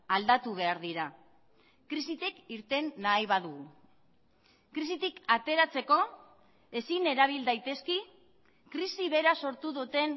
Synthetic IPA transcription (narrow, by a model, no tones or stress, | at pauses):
ald̪at̪uβ̞e̞aɾðiɾa | kɾisit̪ekiɾt̪e̞nːaiβaðuɣ | kɾisit̪ikat̪e̞ɾat͡se̞ko̞ | e̞sine̞ɾaβ̞ild̪ajt̪e̞ski | kɾisiβe̞ɾaso̞ɾt̪uðut̪e̞n